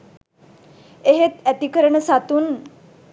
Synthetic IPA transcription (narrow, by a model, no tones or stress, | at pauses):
eɦet̪æt̪ikəɾəɳəsat̪un